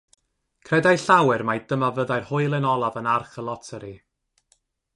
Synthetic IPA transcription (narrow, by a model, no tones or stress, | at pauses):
kʰrɛdajɬawɛrmajdəmavəðajrhʊɨlˠɛnɔlˠavənarχəlˠɔtʰəɾi